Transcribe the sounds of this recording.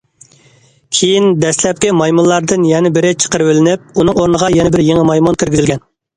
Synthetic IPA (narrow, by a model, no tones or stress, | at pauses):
kʲʰejind̪ɛslɛp̚kʲɪmɑjmulˠɑɾd̪ɨnjɛnɪbɪɾɪt͡ʃʰə̥qəɾwɪlɪnɪp̚unɨŋoɾnəʁɑjɛnɪbɪɾjeŋɪmɑjmunt̪ʰɪɾɡʲɪzɪlɡʲɛn